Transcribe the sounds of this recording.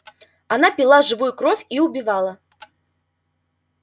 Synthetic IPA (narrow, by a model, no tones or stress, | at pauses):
anapʲilˠaʐɨvujukɾɔfʲiubʲivalˠɐ